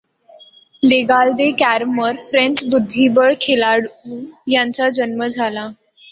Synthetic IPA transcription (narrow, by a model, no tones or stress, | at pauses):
leɡald̪ekæɾməɾfɾẽnt͡sbud̪ʱːibəɭkʰelaɽujãɲt͡sad͡ʑənməd͡zʱala